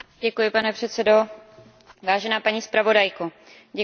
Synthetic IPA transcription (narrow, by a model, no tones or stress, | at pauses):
ɟɛkujɪpanɛpr̝̥ɛt̪sɛdo̞ | vaːʒɛnaːpaɲiːspɾavo̞dajko | ɟɛ